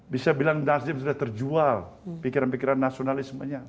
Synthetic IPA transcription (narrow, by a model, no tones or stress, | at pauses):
bisabilaŋdasd͡ʒɪmsudaht̪ərd͡ʒual | pikiɾanpikiɾanːasionalɪsmaɲa